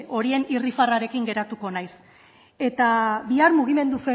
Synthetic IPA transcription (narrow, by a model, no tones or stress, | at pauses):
o̞ɾie̞nirifaraɾe̞kiŋɡe̞ɾat̪uko̞najs | e̞t̪abiaɾmuɣ̞ime̞nd̪use